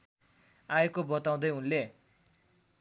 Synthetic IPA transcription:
aekobʌt̪aw̃d̪ʌjunle

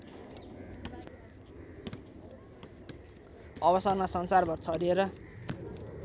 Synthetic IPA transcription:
ʌbʌsʌrmasʌnsarbʱʌrt͡sʰʌɾieɾʌ

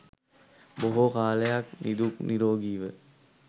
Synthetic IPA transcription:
boɦokaːləjak̚nid̪ukniɾoːɡiːʋə

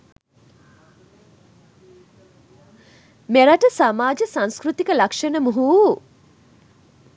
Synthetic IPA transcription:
meɾɐʈəsamaːd͡ʒəsãnskɾut̪ikəlakʂenəmuɦuː

